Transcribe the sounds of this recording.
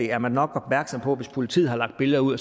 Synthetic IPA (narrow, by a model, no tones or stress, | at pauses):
e̝æɐmænnɒ̽ɡ̥ɒ̽b̥mæɐɡ̥sɒ̽mpʰɒ̽ʋe̝spʰo̝lit͡sʰḭð̩̰ˠhɑ̈lɑ̈ɡ̥d̥b̥e̝ləðˠɐuð̰ˠɒ